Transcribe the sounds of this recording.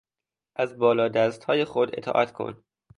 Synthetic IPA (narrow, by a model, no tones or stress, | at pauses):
ʔæzbɒːlɒːd̪æst̪hɒːjexod̪e̞̰t̪ʰɒ̰ːʔæt̪kʰo̰n